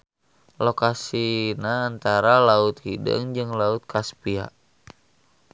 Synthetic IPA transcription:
lokasinaːnt̪aɾalaʊt̪hidə̰ŋd͡ʒɨŋlaʊt̪̚kʰaspia̰ʔ

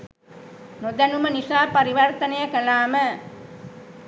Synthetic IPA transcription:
nod̪ɐnumɐnisaːpɐɾiʋɐɾt̪ɐnɐjɐkɐlaːmɐ

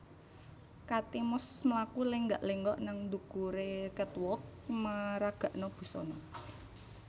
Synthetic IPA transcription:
kat̪imʊsməlakuleŋɡaʔleŋɡɔʔnaŋnd̪ukuɾekət̪wɔk̚maɾaɡ̥a̤ʔnɔb̥ṳsɔ̰nɔ

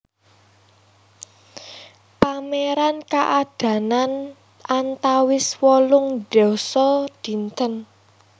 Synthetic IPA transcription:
pameɾankaʔad̥ä̤nan | ʔant̪awɪswɔlʊŋɖ̥ɔsɔd̪̥i̤nt̪ən

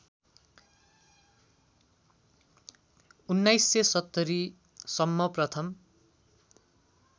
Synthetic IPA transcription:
unːajsːesʌt̪ːʌɾi | sʌmːʌprʌt̪ʰʌm

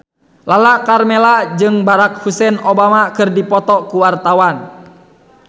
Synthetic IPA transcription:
lalakarmɛlad͡ʒɨŋbaɾak̚husɛnɔbamakɨrdipɔt̪ɔkuwart̪awan

